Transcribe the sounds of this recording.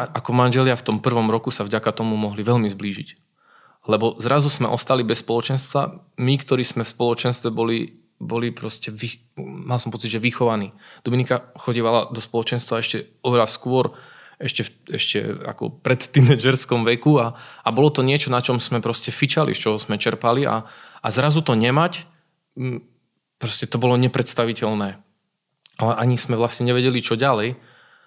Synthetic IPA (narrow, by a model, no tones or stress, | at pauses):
aʔakɔmanʒɛlɪaft̪ɔmpr̩ʋɔmɾɔkusavɟakat̪ɔmumɔɦliʋɛʎmizbliːʒic | lɛbɔzɾazusmɛ̰ʔɔst̪alibɛsːpɔlɔt͡ʃɛnst̪ʋa̰mikt̪ɔɾiːsmɛfspɔlɔt͡ʃɛnst̪ʋɛbɔli | bɔlipɾɔscɛʋi | malsɔmpɔt͡siɟʒɛʋixɔʋaniːd̪̥uminikaxɔɟiːʋalad̪ɔspɔlɔt͡ʃɛnst̪ʋaɛʃcɛ | ɔʋɛʎaskʊɔɾ | ɛʃcɛfɛ̰ʃcɛ̰a̰kɔ̰pɾɛt̪t̪inɛːd͡ʒɛɾskɔmʋɛkuaːbɔlɔt̪ɔɲɪɛt͡ʃɔnat͡ʃɔmz̥mɛpɾɔscɛfit͡ʃalḭst͡ʃɔɦɔzmɛt͡ʃɛɾpalia̰a̰zɾazut̪ɔɲɛmac | pɾɔscɛt̪ɔbɔlɔɲɛpɾɛt̪st̪aʋicɛlnɛː | alɛʔaɲiz̥mɛʋlasɲɛɲɛʋɛɟɛlit͡ʃɔɟalɛj